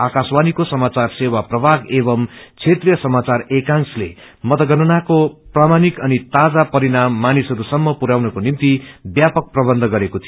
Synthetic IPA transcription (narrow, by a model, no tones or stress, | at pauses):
akaswanikosʌmat͡sarsewaprʌbʱaɡebʌmt͡sʰet̪rijʌsʌmat͡sarekaŋslḛ | mʌt̪ʌɡʌnunakopramanikʌnit̪ad͡zapʌɾinamːanisɦʌɾusʌmːʌpuɾawnʌkonimt̪ibjapʌk̚prʌbʌnd̪ʱɡʌɾekot̪ʰio